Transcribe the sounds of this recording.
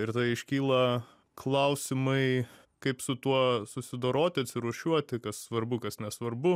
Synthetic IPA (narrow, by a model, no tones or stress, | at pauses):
ɪɾt̪ɐɪɪʃʲkʲiːlˠɐ | klˠɐʊsʲɪmɐɪ | kɐɪpsʊt̪uɔsʊsʲɪd̪oːɾoːt̪ʲɪɐt̪ʲsʲɪɾuɔʃʲuɔt̪ʲɪkɐssʋɐrbʊkɐsnʲɛsʋɐrbʊ